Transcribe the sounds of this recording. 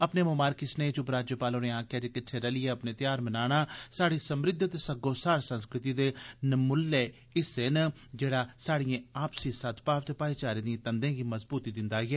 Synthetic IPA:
əpneːmoːmaːɾkɪsneːt͡ʃʊpɾaːd͡ʒjəpaːloːneːãːkʰjaːd͡ʒeːkɪtʰːeːɾəlɪɛːəpneːt̪ɪjaːɾmənaːɽ̃aːsaːɽiːsəmɾɪd̪ʱt̪esəɡoːsaːɾsənskɾɪt̪iːd̪eːnəmʊleː | ɪsen | d͡ʒeːɽaːsaːɽɪjẽːaːpsiːsət̪ʰpaːʋt̪eːpaːiːt͡ʃaːɾeːd̪ĩːt̪ənd̪ẽːɡiːməzbuːt̪iːd̪ɪnd̪aːiɛː

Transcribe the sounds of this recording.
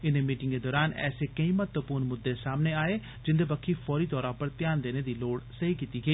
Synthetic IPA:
ɪneːmiːʈɪŋɡeːd̪ɔːɾaːnɛ̰ːseːkəĩːmət̪ʋəpuːɾnmʊd̪ːeːsaːmneːaːeː | d͡ʒɪnd̪ebəkʰːiːfʰɔːɾiːt̪ɔːɾaːpəɾt̪ɪjaːnd̪eːneːd̪iːloːɽsəiːkiːt̪iːɡəiː

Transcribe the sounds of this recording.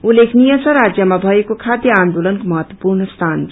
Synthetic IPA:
ulekʰnijəsʌ̃ɾad͡ʒjəmabʱəekokʰad̪jəaːnd̪ulənkməɦət̪ːwəpuɾɳəst̪ʰaːn

